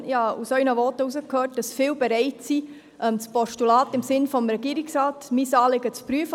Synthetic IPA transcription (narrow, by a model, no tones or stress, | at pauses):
jɑːusœʏnəʋɔtəusəkhøːt̚d̥ɑsfɪːlbɛɾɛɪtsi | ʔɛmt͡spɔʃtulɑːtɪmsɪnfɔmɾɛɡiːɾiksɾɑːtmisɑːlɪɡət͡spɾyəf